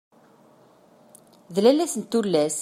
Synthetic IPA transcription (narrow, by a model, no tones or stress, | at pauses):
ðlælæsənt̪ːulːæs